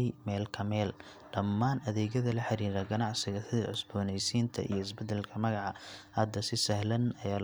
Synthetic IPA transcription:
jmɛːlkʰɐmɛːl | ɖɐmːaːnɐðɛːɣɐðɐlɐħɑɾiːɾɐɡɐnɑʕsɪɣɐsɪðɐʕʊsbɔːnɛjsiːnt̪ʰɐ̰ʔḭjɞɪsbɛd̪ɛlkʰɐmɐɣɑʕɑhɐd̪ɐsɪsɐhlɐnɐjaːl

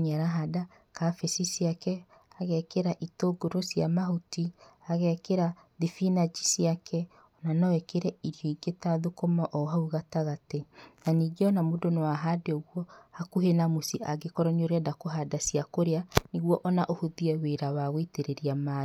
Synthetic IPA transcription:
ɲɛɾaɦada | kafesisiakɛ | aɣɛkeɾaʔitoɡoɾosjamahotiaɣɛkeɾa | ðifinad͡ʒisiakʰɛ | ɔnanɔɛkeɾɛiɾjɔiɡetaðokomaʔɔɦauɣataɣatenaniɡeɔnamodonowaɦadeɔɣwɔhakuɦenamusiʔaɡekɔɾɔɲoɾɛdakoɦadasiakoɾeaniɣwɔʔɔnaʔohoðiɛweɾawaɣwiteɾeɾiama

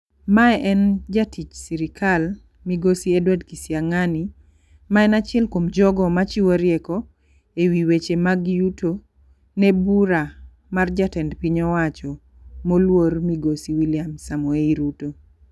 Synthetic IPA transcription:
maɛʔɛnd͡ʒatʰit͡ʃsiɾikʰal | miɡosiedwɛdkisjaŋani | maɛnat͡ʃɛlkomd͡ʒɔɡɔmat͡ʃiwoɾjɛkɔ | ewiwet͡ʃemaɡjuto | nebuɾa | mard͡ʒatɛndpiɲɔwat͡ʃɔ | molwormiɡosiwiljamsamoeiɾuto

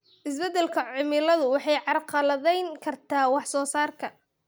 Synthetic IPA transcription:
ʔɪsbɛd̪ːɛlkʰɐʕʊmɪlɐðʊwɑħɑjʕɑrqɑlɐðɛjŋkʰɐrt̪ʰaːwɑħsɔːsaːrkʰɐ

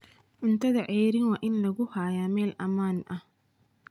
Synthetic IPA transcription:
ʕʊnt̪ʰɐðɐʕɛjɾɪnwɑːʔɪnlɐɣʊhaːjaːmɛːlʔɐmaːnʔɐh

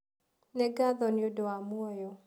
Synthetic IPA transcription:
nɛɡaðɔnɪodɔamuɔjɔ

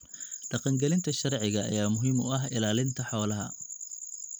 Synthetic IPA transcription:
ɖɑqɑŋɡɛlɪnt̪ʰɐʃɐrʕɪɣɐ̰ːjaːmʊɦɪmʊɐɦɪlaːlɪnt̪ʰɐħɔːlɐɦɐ̰

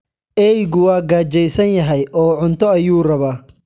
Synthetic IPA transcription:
ʔɛjɡʊwɑːɡaːt͡ʃɛjsɐnjɐɦɛjʔɔːʕʊnt̪ʰɔɐjuːrɐβaː

